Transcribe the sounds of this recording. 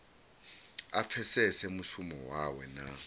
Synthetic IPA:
ap̪fʰɛsɛsɛmusumɔwawɛna

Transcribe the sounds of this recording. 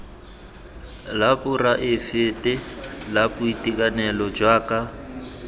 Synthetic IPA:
lapʊraʔɪfɪtʼɪlapʊitʼikʼanɛlɔd͡ʒwaːkʼa

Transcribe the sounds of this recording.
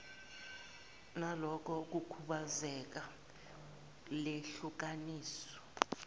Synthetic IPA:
nalɔkʰɔk̬ukʰuɓazɛk̬a | leɬuk̬aniːsɔ̥

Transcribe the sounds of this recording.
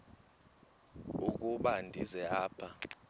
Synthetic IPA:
uk̬ʼuɓandʱizɛaːpʰa

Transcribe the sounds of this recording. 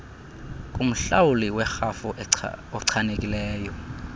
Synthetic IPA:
kʼum̩ɬawuliwɛxafuɔǀʰanekʼilɛːjɔ

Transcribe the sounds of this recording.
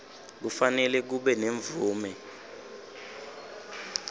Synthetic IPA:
k̬ufanɛlɛk̬uɓɛneɱb̪vuːmɛ

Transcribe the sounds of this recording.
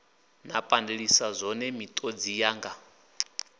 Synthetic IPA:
napʼandeɺisazʷɔnɛmit̪ʼod͡zijaːŋɡa

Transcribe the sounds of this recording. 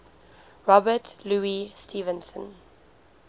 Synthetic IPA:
ɹɔbətluːistʰiːvə̃nsə̰̃n

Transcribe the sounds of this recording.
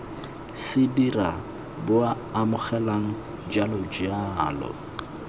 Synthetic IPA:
sɪdira | bʊaːmʊχɛlaŋ̩ | d͡ʒalɔd͡ʒialɔ̰

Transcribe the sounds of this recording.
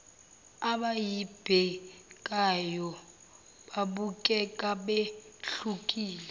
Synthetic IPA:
aɓajib̥ʱɛkʼajɔ | ɓaɓukʼɛkʼaɓeɬukʼiːlɛ

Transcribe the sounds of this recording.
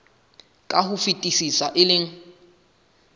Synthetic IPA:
kʼahufitʼisisaʔɪlɪŋ̩

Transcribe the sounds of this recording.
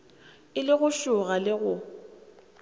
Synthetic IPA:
ɪlɪɣʊʃʊɣalɪɣʊ

